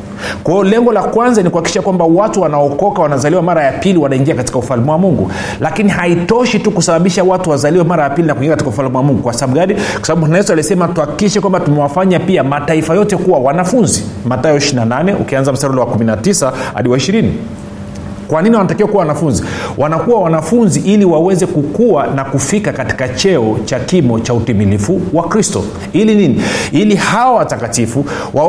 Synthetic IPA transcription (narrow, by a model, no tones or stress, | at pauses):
kwajɔlɛŋɡɔlakwanzanikuhakiʃakwambawatuwanaɔkɔkawanazaliwamaɾajapiliwanaiŋɡiakatikaufalumɛwamuŋɡṵ | lakiniɦaitɔʃitukusaɓaɓiʃawatuwazaliwɛmaɾajapilinakuiŋɡiakati̥kaufalumɛwamuŋɡukwasaɓɡaɗikwasabaɓuanaɛsalisɛmatuhakikiʃɛkwambatumɛwafaɲapiamataifajɔtɛkuwawanafunzimatajɔiʃinananɛṵkianzam̩staɾulɛwakuminatisaha̰ɗiwaiʃiɾini | kwaniniwanatakɛwɛkuwawanafunziwʔanakuwawanafunziʔiliwawɛzɛkukuwanakufikakati̥kat͡ʃɛɔt͡ʃakimɔt͡ʃautimilifuwakɾistɔ̰ | ilininiilihawtakatifu | wa